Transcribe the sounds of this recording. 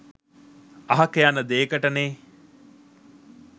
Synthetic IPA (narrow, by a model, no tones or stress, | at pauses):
ɐɦɐkejanəd̪eːkɐʈɐneː